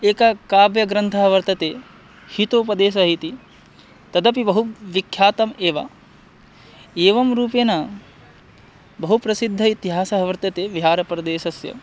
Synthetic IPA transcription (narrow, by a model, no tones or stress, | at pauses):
eːkɐkaːbjɐɡɾɐnt̪ʰɐɦɐʋɐɾt̪ɐt̪eː | hit̪oːpɐd̪eːs̬ɐɦit̪i | t̪ɐd̪ɐpibɐɦuʋikʰjaːt̪ɐmeːʋɐ̰ | eːʋɐmɾuːpeːnɐ | bɐɦupɾɐsid̪ʱːɐit̪iɦaːsɐɦɐʋɐɾt̪ɐt̪eːʋiɦaːɾɐpɾɐd̪eːʃɐsjɐ̰